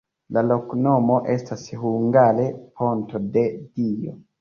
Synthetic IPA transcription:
lalo̞kno̞mo̞ʔestashuŋɡaɾe̞pʰo̞nto̞de̞dio̰

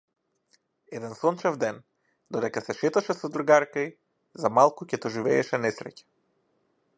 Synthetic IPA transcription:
ɛd̪ɛnsɔnt͡ʃɛvd̪ɛn | d̪ɔd̪ɛkasɛʃɛt̪aʃɛsɔd̪ɾɡaɾkai | zamalˠkucɛt̪ɔʒivɛːʃɛnɛsɾɛ̰cɛ̥

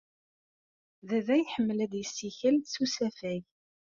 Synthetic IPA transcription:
ðæðæjħəmːlæd̪jəsːiçælsusæfæj

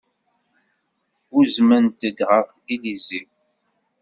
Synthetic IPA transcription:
uzmənt̪əd̪ʁəf | ilizi

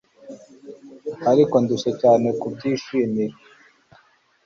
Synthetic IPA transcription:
haɾiko̞nduʃecaːne̞kubɟiːʃiːmiɾe

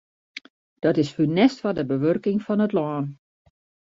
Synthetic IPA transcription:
d̥ɔtɪsfynɛstʋɔdəbəʋørkɪŋfɔnətlɔːn

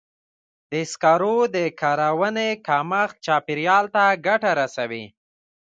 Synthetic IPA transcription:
d̪əɪskɑɾod̪əkɑɾawənekɑmax̚t͡ʃɑpiɾjɑlt̪aɡaʈaɾasawi

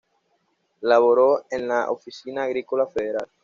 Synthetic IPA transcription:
laβoɾoenlaʔo̰fisinaːɣɾikolafeðeɾal

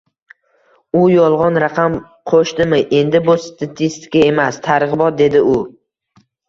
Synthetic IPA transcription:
ʊjɒlˠʁɒnɾaqʰam | qʰoʃt̪ɪmɪʔe̞nd̪ɪbʊst̪ʰat̪ʰist̪ɪ̥kʲae̞mast̪ʰaɾʁɨbɒt̪̚d̪e̞d̪ɪʊ

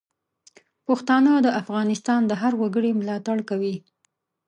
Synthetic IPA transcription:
pəxt̪ɑnəd̪əʔafɣɑnɪst̪ɑnd̪əɦaɾwaɡəɽimlɑt̪aɽkawi

